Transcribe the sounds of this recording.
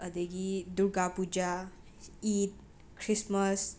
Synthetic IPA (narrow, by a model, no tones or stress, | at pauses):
əd̪eɡid̪uɽɡapud͡ʒa | iːt̪̚ | kʰɾisməs